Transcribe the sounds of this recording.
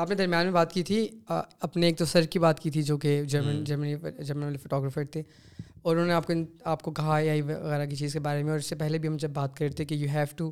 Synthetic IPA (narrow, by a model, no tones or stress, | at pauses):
aːpned̪ɐɾmijaːnmẽbaːt̪kit̪ʰiɐpneeːk̚t̪osɐɾkibaːt̪kiːt̪ʰid͡ʒoːked͡ʒɐɾmənd͡ʒɐɾmənid͡ʒɐɾmənʋaːlefoʈɔːɡɾəfəɾt̪ʰeː | ɔːɾʊnɦõːneaːp̚koaːp̚kokɐɦajaiʋɐɣɛːɾak̬it͡ʃiːzkebaːɾemẽɔːɾɪsepɛɦlebʱiɦɐmd͡ʒɐbːaːt̪kɐɾet̪ʰekijuːɦɛːʋʈu